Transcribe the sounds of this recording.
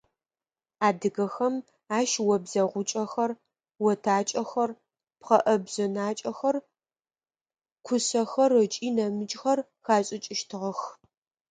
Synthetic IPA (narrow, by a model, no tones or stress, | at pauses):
aːdɨɣɐxɐm | aːʃwɔbzɐʁʷʊt͡ʃʼɐxɐr | wɔtʰaːt͡ʃʼɐxɐr | pqɐʔɐbzɐnaːt͡ʃʼɐxɐr | kʷʰʊsɐxɐrɨt͡ʃʼiːnɐmɨt͡ʃʼxɐr | xaːɕʼɪt͡ʃʼɪʃtʰɨʁɐx